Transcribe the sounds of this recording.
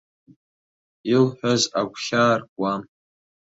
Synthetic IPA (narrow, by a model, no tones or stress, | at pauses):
ilħʷᶣazaɡʷʰɬaːrkʷʼam